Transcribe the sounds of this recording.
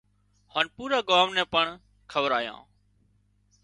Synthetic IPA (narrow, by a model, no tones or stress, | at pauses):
haːnpuːɾaːɡaːmnɛ̃ːpəɳ | kʰəʋəɾaːjã̰ː